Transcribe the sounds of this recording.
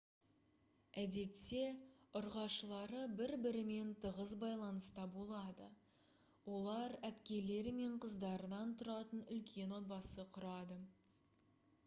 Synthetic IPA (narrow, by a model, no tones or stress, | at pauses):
æd̪e̞t̪se̞ʊɾʁɑʃəlˠɑɾəbɪɾbɪɾɪme̞nt̪ʰəʁəzbɑjlˠɑnəst̪ɑbolˠɑd̪ə̰ | wo̞lˠɑɾæpkʲe̞le̞ɾɪme̞ɴqʰəzd̪ɑɾənɑnt̪ʰʊɾɑt̪ənʏlkʲʰe̞nwo̞t̪̚bɑsəqʰʊɾɑd̪ə